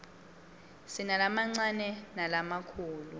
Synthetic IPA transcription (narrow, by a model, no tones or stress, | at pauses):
sinalamaŋ͡ǀanɛnalamakʰuːlu